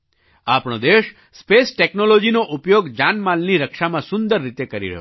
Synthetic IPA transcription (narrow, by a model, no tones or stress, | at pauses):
apɽ̃od̪eʃ | spesʈeknolod͡ʒinoʔupjoɡd͡ʒanmalniɾəkʃamãsʊnd̪əɾːit̪ekəɾḭɾəɦjo̰